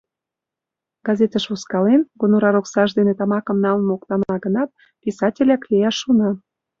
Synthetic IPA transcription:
ɡɑzet̪əʃvuskɑlenɡonoɾɑɾoksɑʒd̪enet̪ɑmɑkə̆mnɑlmɤokt̪ɑnɑɡənɑt̪̚ | pʲisɑtʲelʲæklʲejɑʃːunɑ

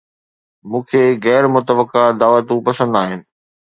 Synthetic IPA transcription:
mũːkʰeːɣɛːɾmʊt̪əbəkad̪aːʋət̪ũpɐsə̃nd̪aːɦɪnɪ̆

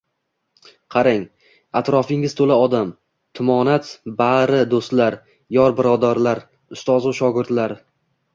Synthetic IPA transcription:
qʰɑɾɪŋ | at̪ɾɒfɪŋɪz̥t̪ʰolaɒd̪am | t̪ʰʊmɒnat̪baɾɪd̪ost̪laɾ | jɒɾbɪɾɒd̪aɾlaɾ | ʊst̪ɒzʊʃɒɡʲɪɾd̪laɾ

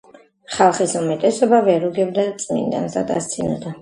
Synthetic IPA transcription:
χalˠχisumɛt̪ʼɛsɔbavɛɾuɡɛbd̪at̪sʼmḭnd̪a̰nza̰d̪a̰st̪sʰinɔ̰d̪a

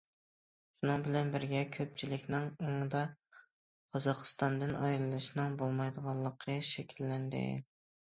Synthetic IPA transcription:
ʃunɨŋbɪlɛnbɪɾɡʲɛkʲʰøp̚t͡ʃʰilɪkʲnɪŋeŋd̪ɑ | qʰɑzɑqʰɨ̥st̪ɑnd̪ɨnʔɑjɾlːˠɨʃnɨŋbolˠmɑjd̪əʁɑlˠːəqʰəʃɛkʲʰilːɛnd̪ɪ̰

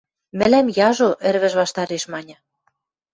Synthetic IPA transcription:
mɘ̆læmjɑʒoʔĕrβɘ̆ʒβɑʃt̪ɑɾeʃmɑnʲɤ̆

